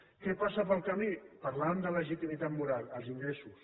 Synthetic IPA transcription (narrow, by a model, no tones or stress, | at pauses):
kɛpasəpəlˠkəmipəɾlaəmd̪ələʒit̪imit̪at̪muɾalˠəlˠziŋɡɾesus